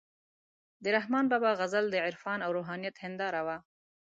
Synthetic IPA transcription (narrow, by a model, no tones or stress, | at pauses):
d̪əɾaɦmɑnbɑbɑɣazald̪əʕɪɾfɑnawɾoɦɑnijat̪hɪnd̪ɑɾawa